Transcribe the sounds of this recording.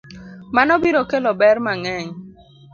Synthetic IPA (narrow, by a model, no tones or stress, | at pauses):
manɔbiɾɔkelɔbɛrmaŋɛɲ